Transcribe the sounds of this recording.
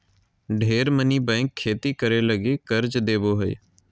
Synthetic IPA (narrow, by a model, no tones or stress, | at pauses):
ɖʱeːɾməniːbɛ̃ːŋkʰːeːt̪iːkəɾeːləɡeːkəɾd͡ʒd̪eːboːɦəḭː